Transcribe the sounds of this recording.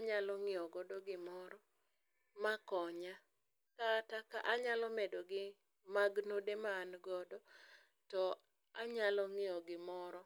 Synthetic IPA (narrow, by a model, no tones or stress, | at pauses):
aɲalɔŋɪɔɡɔdɔɡɪmɔɾɔ | makɔɲa | katakaʔaɲalɔmedoɡɪ | maɡnodemaːnɡɔdɔ | tɔ | aɲalɔŋɪɔɡɪmɔɾɔ